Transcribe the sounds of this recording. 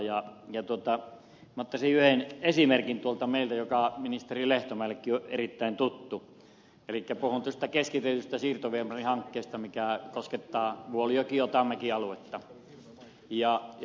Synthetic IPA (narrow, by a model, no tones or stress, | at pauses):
jɑjɑt̪uot̪ɑ | mot̪ːɑsiyhenesimerkint̪uolt̪ɑmeˑilt̪æjokɑminist̪erileht̪omæːˑlːekːioʔerit̪ːæˑint̪ut̪ːu | elikːæpuhunt̪ŭost̪ækeskit̪et̪yst̪æsiːrt̪oʋiemɑrihɑŋkːeːst̪ɑmikæˑkosket̪ːɑːʋuolijokiot̪ɑmːekiɑluet̪ːɑ | jɑ